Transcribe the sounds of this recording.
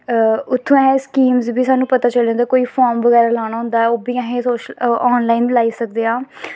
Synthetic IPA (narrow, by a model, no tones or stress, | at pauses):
ʊt̪ʰːõːɛ̃ẽskiːmzbʱiːsaːnũːpət̪aːt͡ʃəlej̃nd̪aːkoːiːfʰɔːɾmʋəɣɛːɾaːlaːɽ̃aːɦʊ̃nd̪aːɛːoːbiːãɦẽsoːʃɔːnlaːiːnlaːiːsək̚d̪eaː